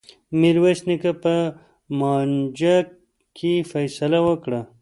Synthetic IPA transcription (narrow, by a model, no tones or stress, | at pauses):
miɾwesnikapə | mɑːnd͡ʑa | kifɐjsɐlawəkɽa